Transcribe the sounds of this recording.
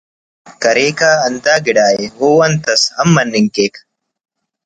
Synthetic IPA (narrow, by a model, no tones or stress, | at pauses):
kɐɾeːkaːɐnd̪aːɡɪɽaːjehoːwɐnt̪ɐsɐmːɐnːɪŋkeːk